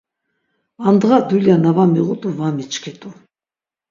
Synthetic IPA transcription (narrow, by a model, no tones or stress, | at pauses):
and̪ʁad̪uljanavamiʁut̪ʼuvamit͡ʃʰʼkʰɛt̪ʼu